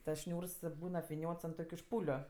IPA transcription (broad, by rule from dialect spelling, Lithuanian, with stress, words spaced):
tɐs ˈʃʲnʲuːrs ˈbuːn ɐpʲʋʲɪˈnʲoːts ɐnt ˈtoːkʲʊ ˈʃpuːlʲʊ